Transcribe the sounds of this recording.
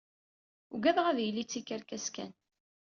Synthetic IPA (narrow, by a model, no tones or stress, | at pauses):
uɡæðʁæðjəlːit͡sːikːəɾkæskæ̰n